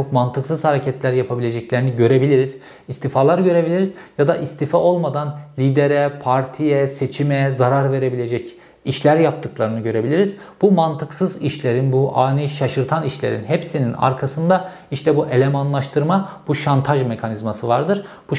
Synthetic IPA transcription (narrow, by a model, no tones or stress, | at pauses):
t͡ʃʰokmant̪ʰɯksɯz̥haɾecʰɛt̪lʲæɾjapʰabilʲe̞d͡ʒɛclʲe̞ɾiniɟø̞ɾe̞bilʲiɾiz̥ | ist̪ifaːlˠaɾɟø̞ɾe̞bilʲiɾizjad̪aʔist̪ʰifao̞lˠmad̪anlʲiːd̪e̞ɾɛpʰaɾt̪ʰijɛse̞t͡ʃʰimɛzaɾaɾve̞ɾe̞bilʲe̞d͡ʒɛc | iʃlʲæɾjap̚t̪ʰɯklˠaɾɯnɯɟø̞ɾe̞bilʲiɾiz̥bumant̪ʰɯksɯziʃlʲe̞ɾinbuʔaːniʃaʃɯɾt̪ʰaniʃlʲe̞ɾinɦepsinina̰ɾkʰasɯnd̪a | iʃt̪ʰɛbuʔe̞lʲɛmanlˠaʃt̪ʰɯɾmabuʃant̪ʰaʒme̞kʰanizmasɯvaɾd̪ɯɾ | b̥u